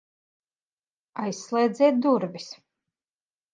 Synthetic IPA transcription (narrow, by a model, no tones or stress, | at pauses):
ajsːlˠɛːd̪zɛːt̪̚d̪uɾbis